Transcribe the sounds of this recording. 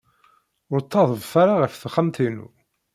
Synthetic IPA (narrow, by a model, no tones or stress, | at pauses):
ʊɾt̪ˤːɑðˤəvfaɾaʁəfθəχəmt̪inṵ